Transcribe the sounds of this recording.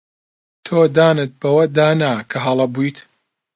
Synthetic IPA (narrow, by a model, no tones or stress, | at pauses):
t̪ʰoːd̪aːnɨt̪̚bɐwɐd̪aːnakʰɐɦɐlˠɐbujt̪